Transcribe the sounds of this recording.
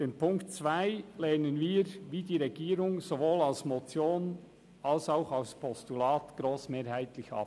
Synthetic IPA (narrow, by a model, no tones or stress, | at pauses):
d̥eːnpʰʊŋktt͡svaɪlɛːnənviːɾʋiːdiːɾɛɡiːɾʊŋzovoːlɑlsmot͡sjoːn | ɑlsaʊxɑʊspʰɔstulɑːt̪ɡ̥ɾoːsmeːɾhæɪt̪lɪçɑ̰p